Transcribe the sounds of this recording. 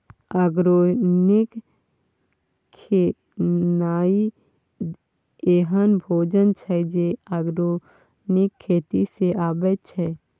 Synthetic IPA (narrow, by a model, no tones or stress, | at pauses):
aɡɾonɪk | kʰe | naːi | eɦənbʱoːd͡ʒənt͡ʃʰɛd͡ʒeaɡɾo | nɪkʰːeːt̪iseʔaːbət͡ʃʰɛ